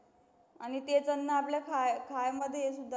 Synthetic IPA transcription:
añit̪et͡sənːəapljakʰajkʰajməd̪ʱːjeesud̪ʱa

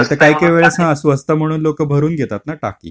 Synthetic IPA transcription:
et̪əkaikeʋeɭesãəsuəst̪əm̤əɽ̃uːnlokəbʱəɾuːnɡʱet̪at̪naʈa̰kḭː

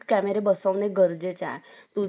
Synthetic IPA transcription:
kɛmeɾebəsɔ̃neɡəɾd͡ʒet͡ʃa̰e | t̪u

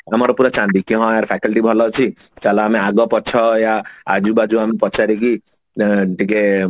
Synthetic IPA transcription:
amɔɾɔpuɾat͡ʃãnd̪ikiɦɔ̃aɾpʰɛkɔlʈibʱɔlɔt͡ʃʰi | t͡ʃalaːmeaɡɔpɔt͡ʃʰɔjaad͡ʒubad͡ʒuamepɔt͡ʃaɾiki | ʈike

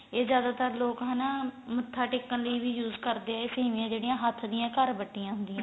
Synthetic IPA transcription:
eːzjaːd̪aːt̪əɾloːkɦənamət̪ʰːaːʈɪkːənləiːʋiːjuːzkəɾd̪eːɛːeːsiːmɪjãːd͡ʒeːɽijãːɦət̪ʰːd̪ɪjãːkəɾbəʈːijãːɦʊ̃nd̪iːãː

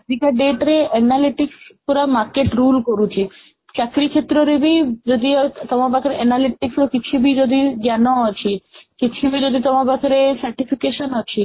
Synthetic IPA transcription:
d̪ikaɖeʈɾeɛnaliʈikskuɾamaɾkeʈɾulkoɾut͡ɕʰi | t͡ɕakɾit͡ɕʰet̪ːɾoɾebid͡ʒod̪iot̪ɔmabakɾeɛnaliʈiksokit͡ɕʰubid͡ʒod̪id͡ʑanoat͡ɕʰikit͡ɕʰubid͡ʑod̪it̪ɔmabakʰɾesaɾʈifʰikeʃonɔt͡ɕʰi

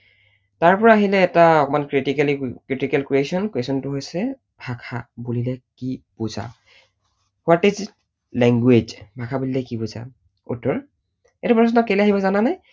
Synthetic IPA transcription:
taɹpɔɹaːɦilɛːtaɔkɔmankɹitikalikɹitikɛlkɹiesɔnkwesɔntʊɦojsɛ | bʱakʰa̰bulilɛkiboza̰ | watiz | lɛŋɡwed͡ʒbʱakʰabulilɛkiboza̰ | ṵtːɔɹ | etupɔsnɔkːeliaɦibɔzananaj

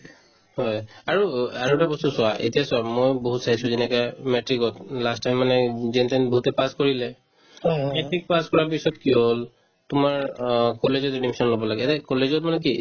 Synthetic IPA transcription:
hɔjaɹuaɹotabɔstusʊaʔḛtijasʊwamojboɦutsaisuzɛnɛkajmɛtɹikɔtlastajmːanɛzɛntanboɦutɛpaskoɹilɛ | mɛtɹik̚paskɔɹapisɔtkiol | tʊmaɹkɔlezɔtedimisɔnlɔbɔlaɡɛtɛkɔlezɔt̚manɛki

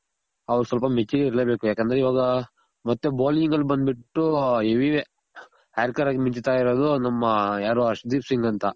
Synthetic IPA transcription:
ɐʋɐɾusɐlpɐmet͡ʃːiɡeiɾleːbe̞ːkujaːkend̪ɐɾeiʋaːɡɐ | mɐt̪ːeboːliŋɡɐlːbɐnd̪biʈːueʋiʋe | aːɾikɐɾaɡemiɲt͡ʃit̪aːjiɾoːd̪unɐmːɐjaːɾoːɐʂʈɐd̪iːpsiŋɡɐnt̪ɐ

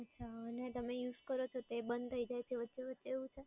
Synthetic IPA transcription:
ətːʃʰaənet̪əmejuzkəɾot͡ʃʰot̪ebənd̪t̪ʰəid͡ʒajt͡ʃʰeʋət̪ːʃeʋətːt͡ʃeʋũt͡ʃʰe

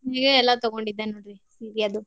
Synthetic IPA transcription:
ɦeɡeɛlːat̪ɔɡoɳɖid̪ːenoːɽɾisiːɾijaːd̪u

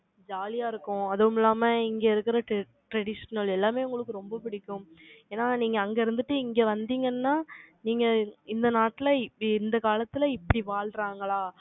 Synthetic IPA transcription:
d͡ʒaːlɪjaːɪɾɯkːʊ̃ɐðɐɯmɪlːaːmɐɪŋɡeːɪɾɯkːɪɾɐʈ | ʈɾɛɽɪʂɐnɐlɛlːaːmeːʊŋɡɐɭɯkːɯɾɔmbɐpɪɽɪkːʊ̃meːnːaːniːŋɡɐːŋɡeɪɾɯnd̪ɯʈːɯɪŋɡeːʋɐnd̪iːŋɡɐnːaːniːŋɡɐɪnd̪ɐnaːʈːɪlɐɪnd̪ɐkaːlɐt̪ːɪlɐɪpːɐɽiʋaːɭɾaːŋɡɐɭaː

